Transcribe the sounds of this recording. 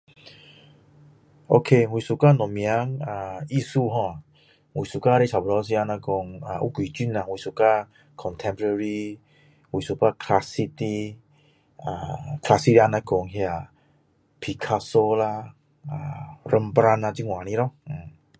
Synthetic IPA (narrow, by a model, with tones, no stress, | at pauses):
ʔo˧kʰe˧hwi˨su˨ka˦˧˨nɔ̃˨mj̃ã˧˦ŋa˧i˦su˦˧ɦɔ̃˧˨a˨ | hwi˨su˨ka˦˧ɾe˦t͡ɕʰa˨bɔ˧˦s̬i˧a˧nã˧kɔ˧ŋa˨ʔṵ˦kwi˨t͡ɕi˦˨na˨wi˨su˨ka˦˧ | kʰɔ˨nt̪ʰɛ̃˧mpɔ˧ɾə˧ɾi˧ | hwi˨su˨˩ka˦˧kʰla˧si˧t̪i˧ | a̰˧˩kʰla˧si˧a˧nã˧˦kɔ˧ŋɦja˧˨ | pʰi˧˨kʰa˧so˧la˧ | a˧˨ɾə˧mpɾa˧na˧t͡ɕi˧ŋw̃ã˨nĩ˧˦lɔ˦˧˨